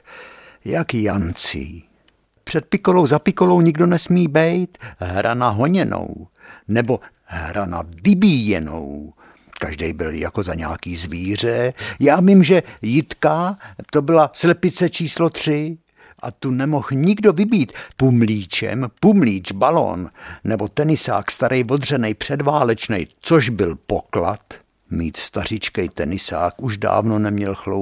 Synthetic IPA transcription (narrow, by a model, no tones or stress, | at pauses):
jakjant͡sɪ̰ | pr̝̥ɛt̪̚pɪkolo̞wzapɪkolo̞wɲɪɡdo̞nɛsmiːbɛjt̪ɦɾʔanaɦo̞ɲɛno̞̰wnɛbo̞ | ɦɾana̰vɪbiːjɛ̰no̞̰w | kaʒdɛ̰jbɪ̰lja̰ko̞zaɲɛakiːzviːr̝ɛjaːvimʒɛjɪt̪kat̪o̞bɪlaslɛpɪt͡sɛt͡ʃiːslot̪r̥ɪ | ʔat̪unɛmo̞xɲɪɡdovɪbiːt̪pumliːt͡ʃɛ̰mpumliːd͡ʒbalo̰nːɛbo̞t̪ɛnɪsa̰ːkst̪aɾɛjvo̞d̪r̝ɛnɛjpr̝̥ɛdvaːlɛt͡ʃnɛ̰jt͡soʒbɪlpokla̰t̪ | miːt̪st̪ar̝ɪt͡ʃkɛjt̪ɛnɪsa̰ːkuʃda̰ːvno̞nɛmɲɛlxlo